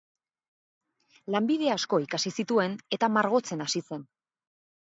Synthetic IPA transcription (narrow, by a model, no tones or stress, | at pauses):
lambiðe̞asko̞ikasisit̪ue̞ne̞t̪amaɾɣ̞o̞t͡se̞nasise̞n